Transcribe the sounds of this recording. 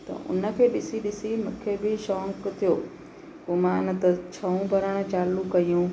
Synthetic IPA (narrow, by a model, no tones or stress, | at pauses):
t̪ɐ̰ʔʊ̰nə̆kʰeːɗɪsiɗɪsimʊ̃kʰebɪʃɔːŋkt̪ʰijoː | kumãːnɐt̪ɐt͡ɕʰɐũbʱɐɾəɽ̃ʊ̆t͡ɕaːlukɐjũː